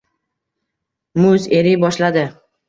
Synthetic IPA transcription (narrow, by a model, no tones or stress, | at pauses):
mʊze̞ɾɪjbɒʃlad̪ɪ